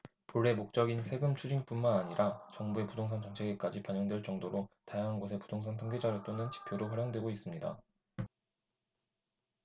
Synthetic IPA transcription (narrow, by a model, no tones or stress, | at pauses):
poɭːe̞mok̚t͡ɕ͈ʌɡinsʰe̞ɡɯmt͡ɕʰud͡ʑiŋp͈unmanaɲiɾʔat͡ɕʌŋbue̞pudoŋsʰaŋt͡ɕʌŋt͡ɕʰeɡek͈ad͡ʑipaɲjʌŋdwe̞ɭt͡ɕ͈ʌŋdoɾotajaŋɦanɡosʰe̞pudoŋsʰaŋtʰoŋɡe̞d͡ʑaɾɯɭt͈onɯnt͡ɕi̥pʰjoɾoɸwaɾjʌŋdwe̞ɡois͈ɯmɲida̰